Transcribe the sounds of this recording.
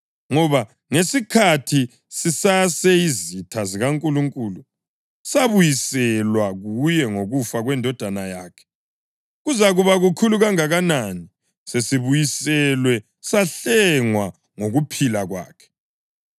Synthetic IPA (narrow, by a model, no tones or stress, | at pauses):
ŋɔβa | ŋesikʰatʰi | sisasɛizitʰaziɣaŋkʼuluŋkʼuːlu | saβujisɛlwaɣujɛŋoɣufaɣwɛndʱɔd̥ʱanajaːkʰɛ̥ | ɣuzaɣuβaɣukʰuluɣaŋaɣanani | sesiβujisɛlwɛ | saɬɛŋwa | ŋoɣupʰilaɣwa̰ːkʰɛ̥